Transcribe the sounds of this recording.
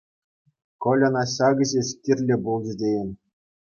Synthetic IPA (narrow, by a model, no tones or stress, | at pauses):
kŏlʲɤ̆nɑɕɑɡɤ̆ʑĕɕkʲirʲlʲĕbulˠd͡ʑĕdʲejɘ̆nʲ